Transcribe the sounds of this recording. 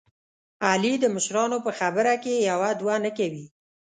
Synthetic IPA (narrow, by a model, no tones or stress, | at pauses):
alid̪əmʊʃɾɑnopəxabəɾakejawad̪wanakawi